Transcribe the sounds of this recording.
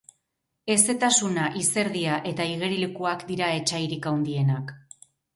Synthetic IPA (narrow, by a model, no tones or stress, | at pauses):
e̞se̞t̪asunaʔise̞ɾðiaʔe̞t̪aiɣ̞e̞ɾilekuakd̪iɾae̞t͡ʃajɾikawnd̪ie̞nak